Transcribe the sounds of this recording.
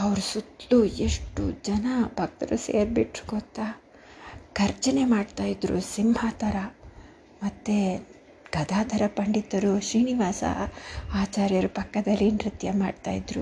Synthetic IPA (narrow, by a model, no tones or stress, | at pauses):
ɐʋɾusut̪lueʂʈṵd͡ʒɐnɐbʱɐk̚t̪ɐɾusḛːɾbiʈɾu̥ɡot̪ːa | ɡ̥ɐɾt͡ʃɐne̞maːɖt̪aːjid̪ɾṵsimbʱaːt̪ɐɾɐ | mɐt̪ːe | ɡ̥ɐd̪ʱaːd̪ʱɐɾɐpɐɳɖit̪ːɐɾuʃɾiːniʋaːsɐ̰aːt͡ʃaːɾjɐɾupɐkːɐd̪ɐlːinɾit̪jɐmaːɖt̪a̰ːjid̪ɾṵ